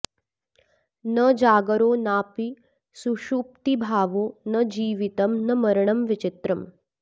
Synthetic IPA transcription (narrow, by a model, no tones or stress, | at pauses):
nəd͡ʒaːɡəɾoːnaːpi | suʃuːp̚t̪ibʱaːʋoːnəd͡ʑiːʋit̪ɐmnɐmɐɾɳ̃ɐmʋit͡ʃɪt̪ɾɐm